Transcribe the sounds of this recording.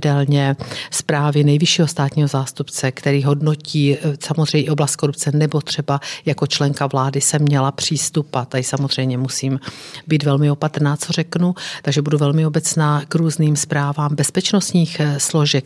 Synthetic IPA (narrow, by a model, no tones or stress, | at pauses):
dɛlɲɛspɾaːvɪnɛjvɪʃiːɦost̪aːt̪ɲiːɦo̞zaːst̪upt͡sɛkt̪ɛɾiːɦo̞dno̞ciːsamozrɛjɲɪo̞blast̪̚ko̞ɾup̚t͡sɛnɛbo̞t̪r̝̥ɛbajako̞t͡ʃlɛŋkavlaːdɪsɛmːɲɛlapr̝̥iːst̪upat̪aɪsamozr̝ɛjmɲɛmusiːmbiːt̪vɛlmɪo̞pat̪ɾnaːt͡so̞rɛknut̪aɡʒɛbuduvɛlmɪo̞bɛt͡snaːkɾuːzniːmspɾaːvaːmbɛspɛt͡ʃnost̪ɲiːxslo̞ʒɛk